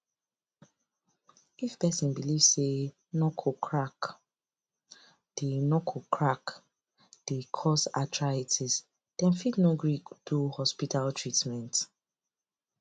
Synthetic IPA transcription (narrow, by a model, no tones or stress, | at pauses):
ifpɛsĩnbilivsse | nɔkʰokʰɹak | d̥enɔkʰokʰɹak | d̥ekʰɔsatʰɹaitʰiz | d̥ɛ̃nfidnoɡɹikd̥uhɔspitaltʰɹitmɛ̃nt